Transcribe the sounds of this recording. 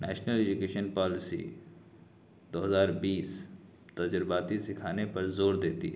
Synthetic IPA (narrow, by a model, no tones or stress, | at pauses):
nɛ̰ːʃnəled͡ʒukeːʃənpɔːlɪsḭ | d̪oːɦɐzaːɾbiːs | t̪ɐd͡ʒɾbaːt̪isɪkʰaːnepɐɾzoːɾd̪eːt̪ḭɦɛ